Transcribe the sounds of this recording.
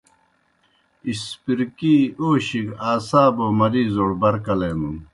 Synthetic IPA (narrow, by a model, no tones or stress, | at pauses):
ispiɾkiːoːɕiɡaːsaːboːmɐɾiːzoɽbɐɾkɐleːnun